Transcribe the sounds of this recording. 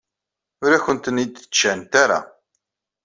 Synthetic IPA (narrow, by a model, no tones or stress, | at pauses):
ʊɾaçənt̪ənid̪θə̥t͡ʃːænt̪aɾa̰